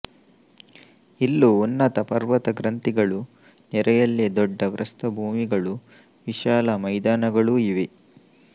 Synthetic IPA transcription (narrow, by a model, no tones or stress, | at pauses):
ilːuonːɐt̪ɐpɐɾʋɐt̪ɐɡɾɐnt̪iɡɐɭu | nɛɾɐjɐlːed̪ɔɖːɐʋɾʔɐst̪ɐbʱuːmiɡɐɭu | ʋiʃaːlɐmɐjd̪aːnɐɡɐɭuiʋe